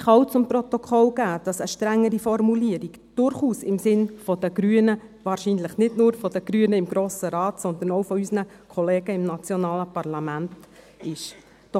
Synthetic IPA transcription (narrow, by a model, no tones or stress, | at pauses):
χɑawt͡sʊmpɾɔt̪ɔkʰɔlɡ̥æːd̥ɑsəʃtɾæŋːəɾifɔrmuliəɾiɡ | d̥ʊɾχuːsɪmsɪnfɔd̥̪əɡ̥ɾyːənəʋɑːɾʃiːnləχnɪdnʊːɾfɔd̥̪əɡ̥ɾyənəɪmɡɾoːsəɾɑːtsɔnd̪ənɔwfɔysnə | kʰɔleːɡ̥əɪmnɑt͡sjɔnɑːləpɑrlɑmænt | ɪʃ | d̥ɔ